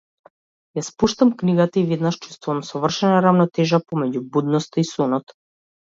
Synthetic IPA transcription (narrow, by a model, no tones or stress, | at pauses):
jaspuʃt̪amkniɡat̪aivɛd̪naʃt͡ʃu̥st̪vuvamsɔvr̩ʃɛnaɾavnɔt̪ɛʒapɔmɛɟubud̪nɔst̪aisɔnɔt̪